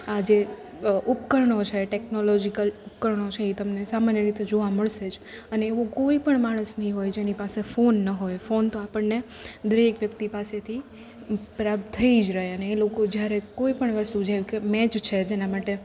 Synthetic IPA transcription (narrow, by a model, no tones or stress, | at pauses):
ad͡ʒe | ʔupkəɾɳot͡ʃʰeʈɛknolɔd͡ʒikəlupkəɾɳot͡ʃʰeit̪əmnesamanjəɾit̪ed͡ʒoʋaməɭʃed͡ʒəneːʋokoipəɳmaɽ̃əsnəɦĩɦojd͡ʒenipasefonːəɦojfont̪oapəɳne | d̪əɾekʋjəkt̪ipaset̪ʰi | pɾap̚t̪t̪ʰːəid͡ʒɾəɦeəneːlokod͡ʒjaɾekoipəɳʋəst̪ud͡ʒajukemɛt͡ʃt͡ʃʰed͡ʒenamaʈe